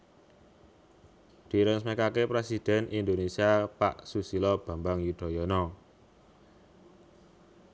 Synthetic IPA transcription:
d̪̥i̤ɾəŋsmekakepɾesid̪̥ɛ̤nʔind̪onesiapa̰ʔsusilɔb̥a̤mbaŋjud̪̥ɔ̤jɔnɔ

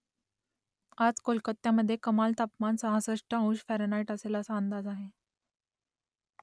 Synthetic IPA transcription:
ad͡zkolkət̪ːjaməd̪ʱːjekəmalt̪apmansəɦãsəʂʈəũɕfɛɾnaiʈəselasaːnd̪ad͡zaɦe

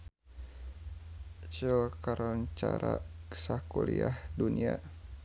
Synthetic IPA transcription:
t͡ʃəkaɾɔɲt͡ʃaɾaksakuliahdunia

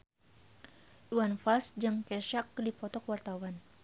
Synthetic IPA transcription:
uwanfasd͡ʒɨŋkɛʃak̚dipɔt̪ɔkwart̪awan

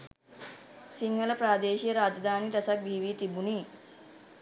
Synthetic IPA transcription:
siŋɡəlɐpɾaːd̪eːɕijəɾaːd͡ʒd̪ʱaːniːɾɐsak̚bʱiːʋiːt̪ibuniː

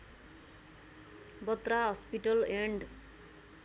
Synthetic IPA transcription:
bʌt̪raɦʌspiʈʌleɳɖ

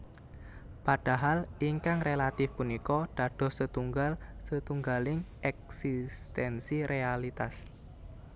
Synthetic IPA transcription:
paɖ̥a̤ɦaliŋkaŋrelat̪ɪfpunikɔɖ̥aɖ̥ɔ̤sət̪uŋɡalsət̪uŋɡalɪŋɛk̚sist̪ɛnsiɾealit̪as

